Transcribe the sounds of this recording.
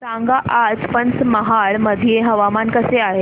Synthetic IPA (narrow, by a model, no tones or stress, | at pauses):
sãŋɡaʔad͡zpənt͡sməɦaɭməd̪ʱijeɦəʋamankəseaɦe